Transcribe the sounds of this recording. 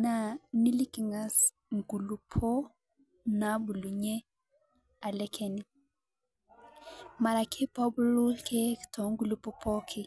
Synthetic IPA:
na˨ni˦li˦ki˨ŋɡa˨s | ŋɡu˨lu˨pʰo˦ | na˨˦bu˨lu˨ɲɛ˦ | a˨lɛ˦kʰɛ˦ni˨ | ma˨ɾa˨kʰi˦pɔ˦bu˦lu˦lke˦˨tʰɔ˨˦ŋɡu˦˨lu˨pɔ˦pʰɔ˦kʰi˦

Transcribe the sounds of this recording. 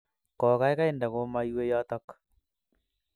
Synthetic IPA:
kɔ˨ɣa˦e˦ɣa˦enda˨ɣo˦ma˦iwe˦jɔ˦t̪ɔ˦k

